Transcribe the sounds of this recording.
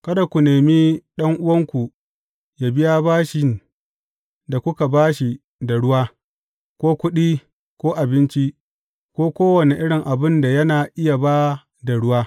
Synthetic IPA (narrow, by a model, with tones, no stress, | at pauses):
kɐ˦da˨kʷu˨neː˨miː˦ɗɐ˦ŋʔʊ˦wɐ˦ŋkʷu˨ | jaː˦bɪ˦ja˦baː˦ʃɪ˨n | da˨kʷʊ˦ka˨baː˦ʃi˨ | da˨ɽʊ˦waː˦ | kʷoː˦kʷʊ˦ɗiː˦ | kʷoː˦ʔa˨bɪ˦nt͡ʃi˦ | kʷoː˦kʷoː˦wɐ˨ne˨ʔɪ˦ɽɪ˨ŋʔa˨bɪ˦nda˨jɐ˦naː˨ʔɪ˦ja˨ba˦ | da˨ɽʊ˦waː˦